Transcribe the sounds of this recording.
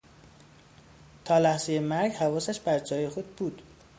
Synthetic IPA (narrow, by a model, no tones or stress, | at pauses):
t̪ʰɒːlæhzejemæɾɟhævɒːsæʃbæɾd͡ʒɒːjexod̪̚buːd̪̥